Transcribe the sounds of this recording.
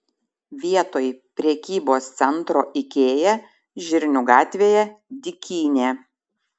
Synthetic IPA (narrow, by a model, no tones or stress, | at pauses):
ʋʲiɛt̪oːjpʲɾʲɛkʲiːboːst̪sʲɛnˑt̪ɾoːʔɪkʲeːjɛ | ʒʲɪɾʲnʲuɡɑːt̪ʲʋʲeːjɛd̪ʲɪkʲiːnʲeː